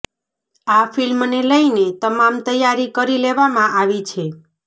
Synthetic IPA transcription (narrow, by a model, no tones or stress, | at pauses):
afilmneləinet̪əmamt̪əjːaɾikəɾileʋamãʔaʋit͡ʃʰe